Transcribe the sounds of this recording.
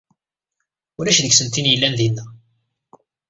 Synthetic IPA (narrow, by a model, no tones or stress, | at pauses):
ʊɾæʃðəɡsənt̪injəlːænðinːæ